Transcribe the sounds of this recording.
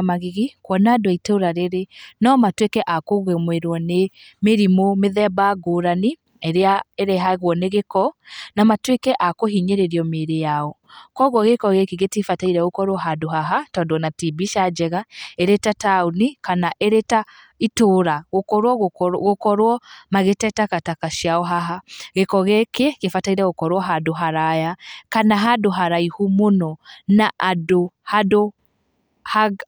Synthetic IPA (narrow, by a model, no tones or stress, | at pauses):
maɣiɣikwɔnadwaitoɾaɾeɾenɔmatwekɛʔakoɣemweɾwɔne | meɾimomeðɛbaɡoɾani | eɾeaeɾɛɦaɣwɔneɣekɔnamatwekɛʔakoɦiɲeɾeɾjɔmeɾejaɔkɔɣwɔɣekɔɣekiɣetifataiɾɛɣokɔɾwɔɦadoɦaɦatɔdwɔnatibiʃad͡ʒɛɣaeɾetataunikanaʔeɾeta | itoɾaɣokɔɾwɔɣɣokɔɾwɔmaɣetɛtakatakaʃiaɔɦaɦaɣekɔɣɛkekefataiɾɛɣokɔɾwɔɦadoɦaɾajakanaɦadoɦaɾaihumonɔnaʔadohado | haɡ